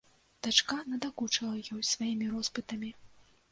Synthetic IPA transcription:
d̪̥at͡ʂkanɐd̪akut͡ʂɐlˠɐjɔjsvajimʲiɾɔspɨt̪ɐmʲi

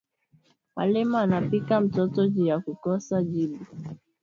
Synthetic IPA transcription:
ma̰lɛmaːnapikam̩tɔtɔʄijakukɔsaʄiɓu

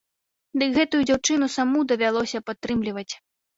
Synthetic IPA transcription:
d̪ɨkɣɛt̪ujud͡zʲawt͡ʂɨnusamud̪ɐvʲalˠɔsʲɐpat̪ːɾɨmlʲivɐt͡sʲ

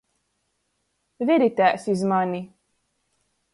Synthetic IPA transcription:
vɛɾit̪æːsizmanʲi

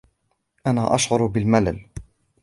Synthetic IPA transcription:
ʔanaːʔaʃʕʊɾbɪlmala̰l

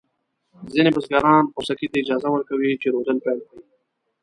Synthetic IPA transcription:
zinebasɡɑːɾɑnʊsakit̪aɪd͡ʒɑzawəɾkawit͡ʃeɾod̪əlpɛlkɽi

